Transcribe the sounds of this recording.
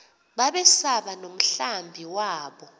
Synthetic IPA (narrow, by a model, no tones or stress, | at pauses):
ɓaɓɛsaɓanom̩ɬambʱiwaːɓɔ